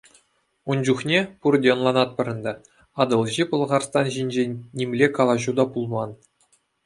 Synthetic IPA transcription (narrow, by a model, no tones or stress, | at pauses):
und͡ʑuχnʲepurdʲeŏnlˠɑnɑt̪̚pɤ̆ɾʲɤ̆nd̪ɑ | ɑd̪ɤ̆lˠʑipɤ̆lˠʁɑrst̪ɑnʑinʲd͡ʑeːimʲlʲekɑlˠɑʑud̪ɑpulˠmɑn